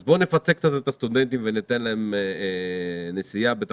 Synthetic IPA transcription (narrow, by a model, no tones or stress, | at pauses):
zbone̞fat͡sek̚t͡sat̪et̪ast̪ud̪e̞nt̪imvenit̪enlaemene̞sijabet̪a